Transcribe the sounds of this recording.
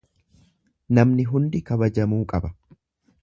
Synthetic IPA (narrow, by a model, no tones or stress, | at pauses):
nɐmnɪɦʊnd̪ɪkɐbɐd͡ʒɐmuːkʼɐbɐ